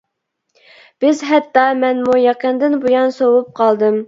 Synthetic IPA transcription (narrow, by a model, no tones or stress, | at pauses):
b̥ɪzɦɛt̪ːɑmɛnmujɑqənd̪ɪnbujɑnsowup̚qʰɑlˠd̪ɨm